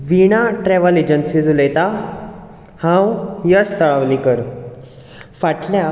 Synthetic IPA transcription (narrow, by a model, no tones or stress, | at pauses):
ʋiɽ̃aʈɾɛʋəled͡ʑənsid͡zuləjt̪a | hãwjəst̪əɭaʋlikəɾ | faʈʰlja